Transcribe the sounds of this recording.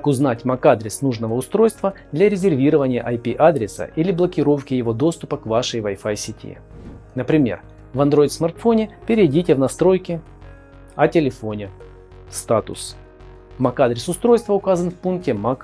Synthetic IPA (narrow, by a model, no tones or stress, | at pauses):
kʊznatʲmɐkad̪ɾʲɪsnuʐnəvəʊst̪ɾo̞jst̪vəd̪lʲɐɾʲɪzʲɪrvʲiɾəvənʲɪjə̰ʔɐjpʲiʔad̪ɾʲɪsə̰ʔilʲɪblˠəkʲɪɾo̞fkʲɪjɪvo̞d̪o̞st̪ʊpəkvaʂəjvajfajsʲɪtʲḭ | nəpɾʲɪmʲer | vɐnd̪ɾo̞jɪt̪smɐrt̪fo̞nʲɪpʲɪɾʲɪdʲitʲɪvnɐst̪ɾo̞jkʲɪ | ɐtʲɪlʲɪfo̞nʲɪ | st̪at̪ʊ̰s | mɐkad̪ɾʲɪsʊst̪ɾo̞jst̪vəʊkazənfpunk̚tʲɪmak